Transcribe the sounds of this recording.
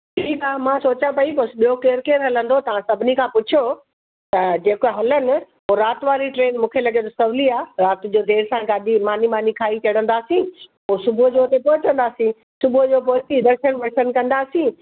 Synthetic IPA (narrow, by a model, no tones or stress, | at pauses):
ʈʰiːkaːmãsoːt͡ɕãpɐiposɓijokeːɾkeːɾɦɐlə̃nd̪ot̪ɐʋ̤ãsɐbʱɪnikʰãːpʊt͡ɕʰijo | t̪ɐd͡ʑeːkoɦɐlənɪ̆ | poːɾaːt̪ʋaːɾiʈɾeːnmũːkʰelɐɡet̪osɐʋliaːɾaːt̪d͡ʑoːd̪eːɾsãɡaːd̪ʱimaːnimaːnikʰaːit͡ɕɐɽə̃nd̪aːsĩː | oːsʊbʱʊd͡ʑoːt̪epɔɦɪt͡ɕə̃nd̪aːsĩ | sʊbʱʊd͡ʑoːpoːɪsid̪ɐɾʃənʋɐɽʃən̆kɐ̃nd̪aːsĩː